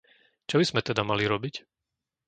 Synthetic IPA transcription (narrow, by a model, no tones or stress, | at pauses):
t͡ʃɔbiz̥mɛt̪ɛd̪amaliɾɔbic